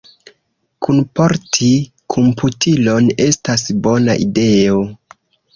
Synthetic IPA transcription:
kʰunpo̞ɾtʰi | kʰompʰutʰilo̞ne̞stasbo̞naʔide̞o

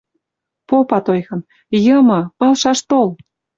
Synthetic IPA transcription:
popɑt̪ojɣɤ̆m | jəmɤ̆ɤlʃɑʃt̪ol

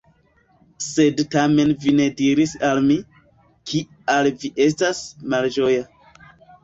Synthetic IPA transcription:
se̞dtame̞nvine̞diɾisalmi | kʰi | alviʔe̞s̬tasmald͡ʒo̞ja

